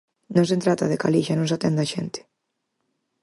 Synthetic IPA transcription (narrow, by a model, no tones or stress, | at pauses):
nõŋs̬ent̪ɾat̪aðekaliʃanõnsat̪ɛnd̪aʃɛnt̪ɪ̥